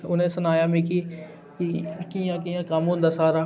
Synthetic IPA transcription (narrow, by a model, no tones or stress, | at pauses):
ʊnɦẽsʊnaːjamẽki | kikijãkijãkamõd̪ɐsaːɾa